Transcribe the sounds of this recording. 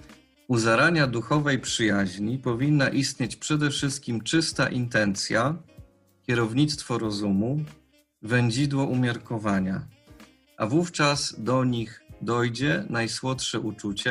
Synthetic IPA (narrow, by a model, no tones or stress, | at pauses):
uzaɾaɲad̪uxɔvɛjpʂɘjaʑɲipɔvʲinːaʔist̪ɲet͡ɕpʂɛd̪ɛfʂɘst̪̚kʲimt͡ʂɘst̪a̰ʔint̪ɛnt̪sʲja | kʲjɛɾɔvɲit̪st̪fɔɾɔzumu | vɛɲd͡ʑid̪wɔʔumʲjaɾkɔvaɲa | ʔavuft͡ʂazd̪ɔɲiɣd̪ɔjd͡ʑɛnajswɔt̪ʂɛʔut͡ʂut͡ɕɛ